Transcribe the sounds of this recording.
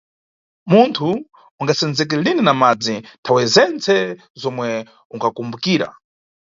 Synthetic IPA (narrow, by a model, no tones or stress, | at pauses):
muntʰu | uŋɡasɛnd͡zɛk̬ilininamad͡zintʰawɛzɛnt͡sʰɛ | zɔmwɛ | uŋkʰakumbukiːɾa̰